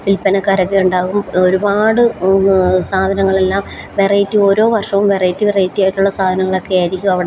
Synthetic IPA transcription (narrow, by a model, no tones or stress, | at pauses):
silpːɐnɐkːɐɾɐɣːeuɳɖaːɣumo̞ɾubaːɽɨ | saːd̪ʱɐnɐŋːɐɭe̞lːaːm | ʋerɐjitːio̞ːɾo̞ːʋɐrʂɐʋumʋerɐjitːɨʋirɐjitːijaːjʈːuɭːɐsaːd̪ʱɐnɐŋːɐɭo̞kːejaːɾikʲːumɐʋiɽe